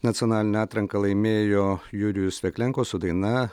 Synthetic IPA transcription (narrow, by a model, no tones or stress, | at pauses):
nɐt̪sʲɪɔnɑːlʲɪnʲɛɑːt̪ɾɐŋkɐlˠɐɪmʲeːjoːjʊɾʲɪjʊsʲʋʲɛkʲlʲɛŋkoːsʊd̪ɐɪnɐ